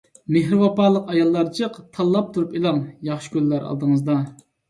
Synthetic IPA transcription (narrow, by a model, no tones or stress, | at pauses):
meɦɾɪwɑpɑːlˠːəqɑjɑlˠːɑɾt͡ʃʰəqt̪ʰɑlˠːɑp̚t̪ʰuɾupilˠɑŋjɑχʃɪ̥kʲylːæɾʔɑ̰lˠd̪əŋəzd̪ɑ